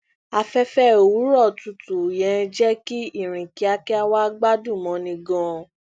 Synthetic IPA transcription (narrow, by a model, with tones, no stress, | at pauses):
a˧fɛ˦fɛ˦˨u˨˦ɾɔ˦˨tu˧˨tu˨jɛ̃˨˧d͡ʒɛ˦ki˦i˦˨ɾ̃ĩ˨ki˨˦a˧kɛ˦a˧wa˦ɡ͡ba˦dũ˦˨mɔ̃˨˦nĩ˧ɡɔ̃˧